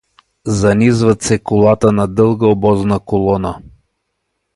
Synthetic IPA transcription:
zɐnizvət̪sɛkʊlˠat̪ənɐd̪ɤlˠɡəobɔznəkolˠɔnə

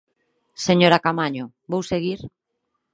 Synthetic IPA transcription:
seɲoɾakamaɲo | bowseɣiɾ

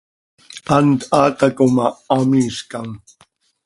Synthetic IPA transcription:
ant̪aːt̪akomaːmiskaŋ

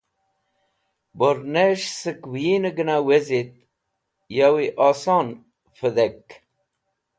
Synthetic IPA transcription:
boɾneʂsəkwinəɡənawezit̪̚ | jawiʔaːsɑn | fəd̪ek

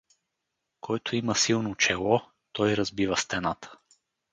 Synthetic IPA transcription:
kʰɔɛt̪ʰʊimɐsilˠnot͡ʃɛlˠɔ | t̪ɔjɾɐzbivəst̪ɛnat̪ʰə̥

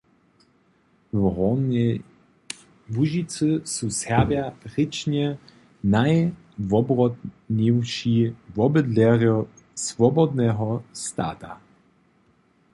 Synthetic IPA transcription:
ɔ | vuʒit̪sɨsusɛʁvjaʁɪt͡ʃɲɛ | naj | vɔbʁɔd | ɲɛwʃivɔbɘd̪lɛʁjɔ | svɔbɔd̪nɛɦɔst̪a̰ːt̪a

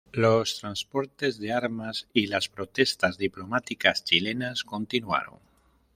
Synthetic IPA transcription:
lost̪ɾanspo̞ɾt̪e̞zðeaɾmasilaspɾot̪e̞st̪azðiplomat̪ikast͡ʃilenasko̞nt̪inwa̰ɾo̰ŋ

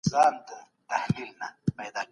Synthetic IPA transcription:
zaːnd̪ə | t̪ahlilnamejd̪aː

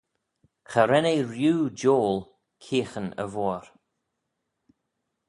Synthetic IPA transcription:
xəɾɛneɾjuːd͡ʒoːl | kʰiːxənə̰vɔːɾ

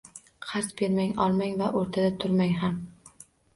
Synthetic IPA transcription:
qʰaɾt̪be̞ɾmaŋɒlˠmaŋvaʔoɾt̪ʰad̪at̪ʰʊɾmaŋɦam

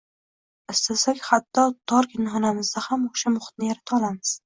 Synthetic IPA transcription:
ɪst̪asakʲhat̪ʰːɒt̪ʰɒɾkʲɪnhɒnamɪzd̪ahamoʃamʊχɨ̥t̪nɪjaɾat̪ʰaɒlˠamɪz̥

